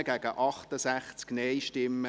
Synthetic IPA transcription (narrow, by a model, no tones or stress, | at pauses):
əɡ̥æːɡ̥əʔɑχt̪əsæχt͡sknɛɪʃtɪmːə